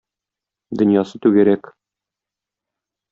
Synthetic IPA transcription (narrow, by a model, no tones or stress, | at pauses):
d̪ɵ̆njɑsɤt̪ʉɡæɾæk